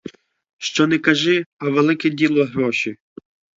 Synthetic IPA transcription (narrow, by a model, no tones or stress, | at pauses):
ʃt͡ʃɔnɛkɐʒɪɐʋelˠɪkɛdʲilˠɔɦɾɔʃi